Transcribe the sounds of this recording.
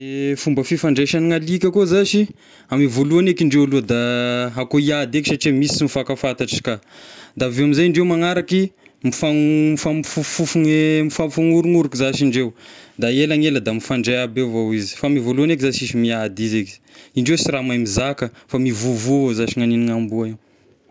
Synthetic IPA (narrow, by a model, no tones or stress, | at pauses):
efumbəfifaɳɖ͡ʐeʃaniŋalikʲakozaʃi | amivoluanekiɳɖ͡ʐewaluəd̪aɦakoiad̪eki̥saʈ͡ʂimisi̥simifakafant̪aʈ͡ʂkad̪avewamizajɳɖ͡ʐewmaŋaɾakimifaŋmifamfufufuŋemifamfaŋuɾuŋuɾukizaʃiɳɖ͡ʐewd̪aelaŋeləd̪amifaɳɖ͡ʐejabevowizi̥famivoluanekizaʃiʃimiad̪izeki̥iɳɖ͡ʐewsiɾamajmizakəfamivuvuvozaʃiŋaniniŋambuai